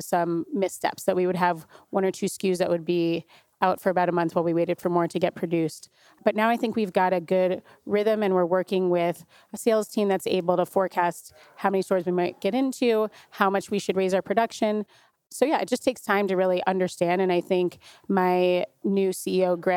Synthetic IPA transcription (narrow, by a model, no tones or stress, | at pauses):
sʌ̃mːɪstɛ̰psðɨt̚wiwɨɾ̚əvwʌ̃ñə˞tʰʉskjʉzðɨʔ̚wɨd̚bi | aʊtfə˞ɨbaʊɾəmʌ̃nθwaɪlˠwiweɪɾɨd̥fə˞mɔɹɾɨɡɛt̚pʰɹ̥ɨdʉst̚ | b̥ʌtⁿnaʊaɪθɪ̃ŋkwivɡɑɾɨɡʊd̚ | ɹɪðɨ̃mɨ̃nwɪɹwɜ˞kɪ̃ŋwɪð | ɨseɪlˠz̥tʰĩmðɨtsḛɪbl̩ˠtəfɔɹkʰæst̚ | haʊmɛnistɔɹzwimaɪt̚ɡ̥ɛɾɪ̃ntʰʉhaʊmʌt͡ʃwiʃɨd̚ɹeɪzaʊə˞pʰɹ̥ɨdʌkʃɨ̃n | soʊjæɨ̰t̚d̥ʒ̥ʌstʰeɪkstʰãɪ̃mtɨɹɪlˠiʔʌ̃ndə˞stæ̃ndɨ̃naɪθɪ̃ŋkmaɪnʉsiioʊɡɹɛ